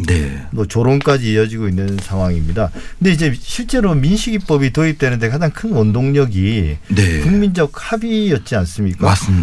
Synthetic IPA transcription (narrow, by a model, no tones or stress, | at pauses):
nḛmʌt͡ɕoɾonk͈ad͡ʑiːʌd͡ʑiɡoinːɯnsʰaŋwaŋimɲidakɯndeid͡ʑe̞ɕʰiɭt͡ɕ͈e̞ɾominɕʰiɡip͈ʌbitoip̚t͈e̞nɯnde̞kad͡ʑaŋkʰɯnwʌndoŋɲʌɡinekuŋmind͡ʑʌɡ̚habijʌt̚t͡ɕ͈ians͈ɯmɲik͈as